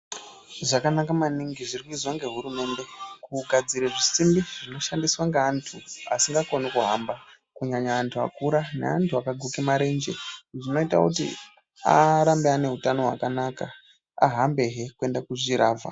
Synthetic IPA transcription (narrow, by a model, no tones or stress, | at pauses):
ʐakanakamaniŋɡiʐirikuizwaŋɡe̞ɦuɾume̞nde̞kuɡʱad͡ziɾeʐisimbiʐino̞ʃandiswaŋɡeːntʰua̰siŋɡakonikuɦa̰mba | kuɲaɲaːntʰua̰kuɾane̞̰antʰuakaɡʱukemaɾe̞nd͡ʒḛʐino̞ita̰kutḭ | aɾambeane̞ɦutano̞ɦwa̰kanaka | a̰ɦambe̞ɦe̞kue̞ndakuʐiɾaːva̰